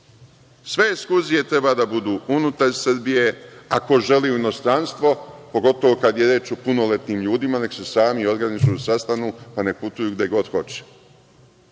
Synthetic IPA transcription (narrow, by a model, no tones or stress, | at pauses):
sʋe̞ːskuzije̞t̪ɾe̞baːd̪abud̪uːunut̪aɾsɨrbije̞ako̞ʒe̞liːuino̞st̪ɾanst̪ʋo̞po̞ɡo̞t̪oʋo̞kad̪jeɾet͡ʃupuno̞let̪niːmʎuːd̪imaneksesaːmio̞d̪ɡɾanit͡ʃusast̪anupane̞put̪ujuːɡd̪je̞ɡo̞d̪xo̞t͡ɕe̥